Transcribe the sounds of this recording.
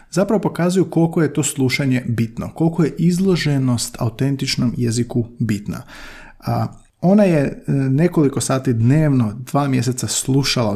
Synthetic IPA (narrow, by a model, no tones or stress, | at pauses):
zapɾaʋo̞po̞kaːzujuko̞lˠko̞je̞t̪o̞ːslˠuʃaɲe̞bit̪no̞̰ko̞lˠkoje̞ʔizlˠo̞ʒe̞no̞st̪ʰa̰ut̪e̞nt̪it͡ʃno̞mje̞zikubit̪na̰ | o̞najene̞ko̞likosaːt̪id̪neːʋno̞d̪̥ʋaːmje̞se̞t̪saslˠuʃala